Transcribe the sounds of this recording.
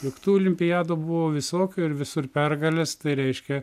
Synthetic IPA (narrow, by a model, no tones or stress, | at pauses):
lʲɪkt̪uːɔlʲɪmʲpʲɪjɑːd̪oːbʊʋoːʋʲɪsoːkʲoːɪɾʋʲɪsʊrpʲɛrɡɐlʲest̪ɐɪɾʲɛɪʃʲkʲɛ